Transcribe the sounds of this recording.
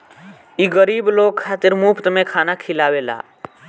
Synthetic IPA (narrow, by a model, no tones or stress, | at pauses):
iɡəɾibloɡ̚kʰːat̪iɾmupʰt̪mekʰanakʰilawela̰